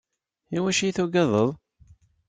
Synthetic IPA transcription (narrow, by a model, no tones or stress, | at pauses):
iwæʃijθuɡɑðˤəðˤ